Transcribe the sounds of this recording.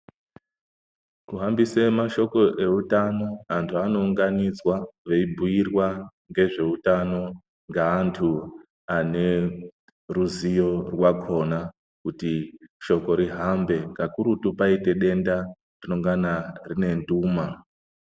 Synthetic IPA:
kuɦambisemaʃo̞ko̞ʔe̞utano̞antʰuano̞uŋɡanid͡zwaʋeibʱujirwa | ŋɡe̞ʐe̞utano̞ | ŋɡaːntʰu | ane̞ | ruzijo̞rwakʰo̞na | kutiʃo̞ko̞ɾiɦambe̞ŋkakuɾutupaite̞ɗe̞nda | rino̞ŋɡanarine̞nduːma

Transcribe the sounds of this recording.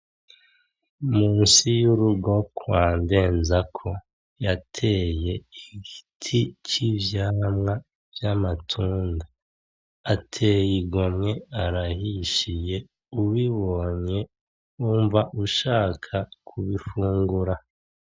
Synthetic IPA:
muːnsijuɾuɡo̞kʰwaːnde̞ːnzakʰo̞ | jatʰe̞je̞iɡitʰit͡ʃivjaːmŋa | vjamatʰuːndaː | tʰe̞jiɡomŋe̞aɾahiʃije̞ | uwiβo̞ɲe̞ | uːɱvaʔuʃaːkʰakʰuβifuːŋɡuɾa

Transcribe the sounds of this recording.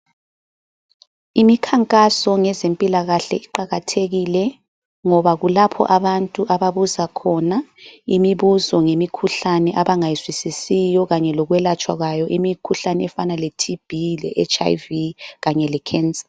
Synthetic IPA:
imikʰaŋkʼasɔŋɛzempʼilaɣaɬɛ̰iǃaɣatʰeɣilɛ | ŋɔβaɣulapʰɔ̰ʔaβantʼuʔaβaβuzakʰɔnaimiβuzɔŋemikʰuɬanɛʔaβaŋajiswisisijɔɣaɲɛlɔɣwɛlat͡ʃʼwaɣwajɔʔimikʰuɬanɛɛfanaletʰib̥ʱilɛ̰ʔɛt͡ʃʼa̰jviɣaɲɛlɛkʰɛnsḁ

